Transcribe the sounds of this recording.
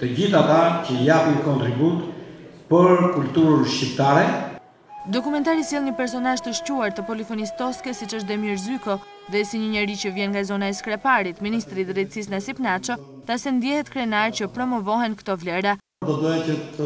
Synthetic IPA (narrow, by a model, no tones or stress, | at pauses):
t̪əd͡ʑiθat̪acəjapikɔnt̪ɾibut̪pəɾkult̪uɾənʃcip̚t̪aɾɛ | d̪ɔkumɛnt̪aɾisjɛlˠɲəpɛɾs̬ɔnalʒt̪əʃcuaɾt̪əpɔlifɔnist̪ɔskɛsit͡ʃəʃ̬d̪ɛmiɾzykɔ | ðɛsiɲəɲɛɾit͡ɕəvjɛnŋɡazɔnaɛskɾɛpaɾit̪minist̪ɾid̪ɾɛt̪sisnasipnat͡ʃɔθasɛnd̪jɛhɛt̪kɾɛnaɾcəpɾɔmɔvɔɦɛnkt̪ɔvlɛɾa | d̪ɔd̪ɔjɛcət̪ə